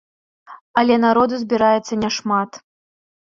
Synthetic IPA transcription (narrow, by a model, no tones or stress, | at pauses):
ɐlʲɛnaɾɔd̪uzʲbʲiɾajɛt̪sːɐnʲɛʂmat̪